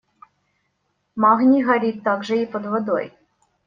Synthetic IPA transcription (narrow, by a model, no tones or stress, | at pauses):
mɑɣnʲiɣɐɾʲit̪ːaɡʐɨipəd̪vəd̪o̰j